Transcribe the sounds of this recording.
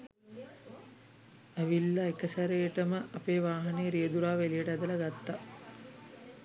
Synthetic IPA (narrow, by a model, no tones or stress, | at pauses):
æʋilːɐekəsæɾejəʈəməʔɐpeːʋaːɦɐneːɾijəd̪uɾaːʋelijəʈəæd̪ɐlɐɡat̪ːa